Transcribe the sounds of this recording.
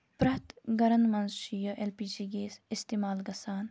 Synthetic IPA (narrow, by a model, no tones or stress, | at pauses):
pɾɐt̪ɡɐɾɐnmɐnzʃijɐʔelpid͡ʒiɡeːsist̪iːmaːlɡɐsaːn